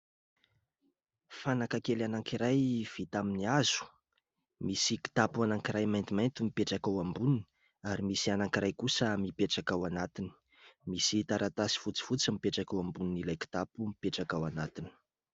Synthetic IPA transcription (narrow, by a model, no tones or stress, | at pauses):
fanakakelanaŋkiɾajv̥it̪aminiazu̥ | misiki̥t̪apuanaŋkiɾajmajnt̪imajnt̪umipeʈ͡ʂakawambunini | aɾimisianaŋkiɾʔajkusəmipeʈ͡ʂakawanat̪ini̥ | misit̪aɾʔat̪asi̥fut͡si̥fut͡simipeʈ͡ʂakawambuninilajki̥t̪apumipeʈ͡ʂakawanat̪ini̥